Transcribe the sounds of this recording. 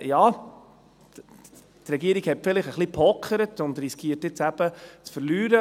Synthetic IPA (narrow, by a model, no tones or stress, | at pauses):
jɑː | tɾɛɡiəɾiɡ̥hɛtfɪlɪχəχlipʰɔkχəɾətʊndɾiskʰiətɪt͡sæb̥ət͡sfəɾlyːɾə